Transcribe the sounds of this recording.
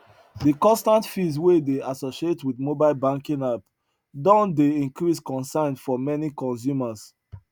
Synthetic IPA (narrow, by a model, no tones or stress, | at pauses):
dikɔ̃nstãntfizwedeasoʃietʰwidmobaɪlbãŋkĩŋap | dɔ̃ndeĩŋkɹiskɔ̃nsãɪ̃ndfɔmɛnikɔ̃ns̬juməs